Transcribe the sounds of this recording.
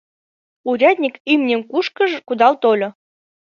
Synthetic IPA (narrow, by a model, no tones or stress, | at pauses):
uɾʲæd̪ʲnʲikimnʲenkuʃkə̆ʒkud̪ɑlt̪olʲŏ